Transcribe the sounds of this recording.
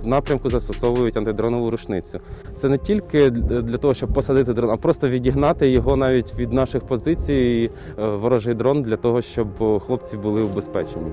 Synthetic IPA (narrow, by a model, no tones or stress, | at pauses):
nɑpɾʲɐmkʊzɐst̪ɔsɔʋʊjʊtʲɐnt̪ɪd̪ɾɔnɔʋʊɾʊt͡ʃnɪt͡sʲʊt̪sɛnɛtʲilʲkɪd̪lʲɐt̪ɔɦɔʃt͡ʃɔb̚pɔsɐd̪ɪt̪ɪd̪ɾɔnɐpɾɔst̪ɔʋʲidʲiɦnɑt̪ɪjɔɦɔnɑʋʲitʲʋʲid̪nɑʃɪxpɔzɪt͡sʲiji | ʋɔɾɔʒɪjd̪ɾɔnd̪lʲɐt̪ɔɦɔʃt͡ʃɔbxlˠɔp̚t͡sʲibʊlˠɪubespɛt͡ʃenʲːi